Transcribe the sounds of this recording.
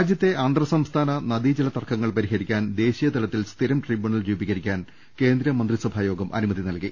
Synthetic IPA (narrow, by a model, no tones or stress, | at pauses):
d͡ʑjɐt̪ːe̞ʔɐnd̪rɐsɐmst̪ʰaːnɐnɐd̪iːd͡ʑɐlɐt̪ɐrkʰːɐŋːɐɭpɐɾiɦɐɾikʲːaːnd̪e̞ːɕijɐt̪ɐlɐt̪ːilst̪ʰiɾɐmʈribjuɳɐld͡ʑuːbiɣɐɾikʲːaːn | ke̞ːnd̪ɾɐmɐnd̪risɐbʱaːjo̞ːɡɐmʔɐ̰numɐðinɐlki